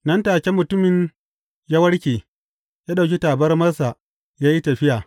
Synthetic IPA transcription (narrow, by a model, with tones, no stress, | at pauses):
nɐ˦ntaː˨kʲe˦mʊ˨tʊ˦mɪ˨ɲ | jaː˦wɐ˦ɽkʲeː˨ | jaː˦ɗa˨kʲi˦taː˨bɐ˦rmɐ˦rsa˨ | jaː˦ji˦tɐ˨ɸɪ˦jaː˨